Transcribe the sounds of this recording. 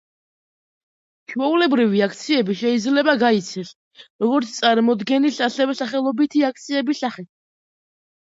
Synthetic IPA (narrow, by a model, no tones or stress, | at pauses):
t͡ʃʰwɛulɛbɾiviakʰt̪sʰiɛbiʃɛid̪zlɛbaɡait̪sʰɛs | ɾɔɡɔɾt̪st̪sʼaɾmɔd̪ɡɛnisasɛvɛsaχɛlˠɔbit̪ʰiak̚ʰt̪sʰiɛbisaχɛ